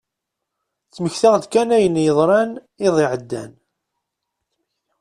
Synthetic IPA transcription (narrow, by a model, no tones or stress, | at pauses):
t͡sːməçθaʁd̪kænæjənːjəðˤɾˤɑn | ɪðˤiʕəd̪ːæ̰n